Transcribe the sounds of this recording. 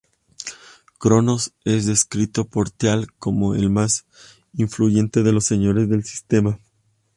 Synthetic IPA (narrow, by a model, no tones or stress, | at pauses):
kɾo̞no̞se̞zðe̞skɾit̪o̞po̞ɾt̪jalko̞mo̞ḛlmas | iɱfluʝe̞nt̪e̞ðe̞lo̞sːe̞ɲo̞ɾe̞zðe̞lsi̥st̪e̞ma